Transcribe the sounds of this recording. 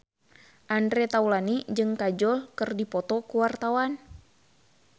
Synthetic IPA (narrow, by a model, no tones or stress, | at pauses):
ʔandɾɛt̪aulanid͡ʒɨŋkad͡ʒɔlkɨrdipɔt̪ɔkuwart̪awan